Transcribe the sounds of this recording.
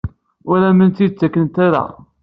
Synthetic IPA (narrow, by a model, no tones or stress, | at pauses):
ʊɾæmənt̪it͡sːækːənt̪æɾæ̰